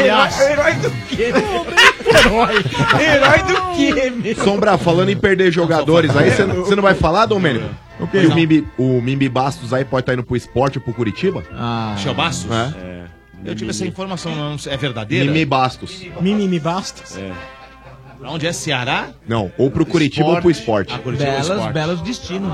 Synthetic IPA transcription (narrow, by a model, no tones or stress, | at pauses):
ɔjeɾɔjd̪ʊkeõeɾɔjeɾɔjd̪ʊkemɪsõmbɾafalɐ̃d̪ʊɪ̃peɾd̪eɾʒoɡad̪oɾɪzaisensenɐ̃vajfalad̪õmẽnikʊ | ʊ̰keɪʊmĩiʊmĩmibast̪ʊzaipɔd͡ʒɪt̪aĩnʊpɾʊɪspɔɾt͡ʃɪpɾʊkuɾit͡ʃibɐasɛwbast̪ʊsaɛ̰ | ewt͡ʃivɛsɐĩfoɾmasɐ̃w̃nɐ̃w̃nɐ̃w̃seɛveɾd̪ad̪ejɾmiɐ̃mibast̪ʊsmĩmimibast̪ʊ̥sɛ̰ | õd͡ʒɪɛseaɾanɐ̃w̃owpɾʊkuɾit͡ʃibbowpɾʊisppɔɾt͡ʃɪkuɾit͡ʃbiɛlɐsbɛlʊzd͡ʒist͡ʃĩnʊ